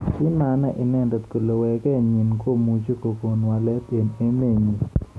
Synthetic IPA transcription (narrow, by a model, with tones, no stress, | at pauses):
kɪ˦ma˨na˦ʔɪ˨nɛ˦˨ndɔ˨t̪ko˨lo˨wɛ˨kɛ˦˨ɲi˨nko˦mu˨t͡ʃo˦ko˨ko˨nwa˨lɛ˦pe˨ne˦me˦˨ɲi˨